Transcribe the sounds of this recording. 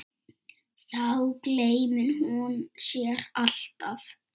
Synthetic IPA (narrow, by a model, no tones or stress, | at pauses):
θawkleːjmʏnhunsjɛɾal̥t̪af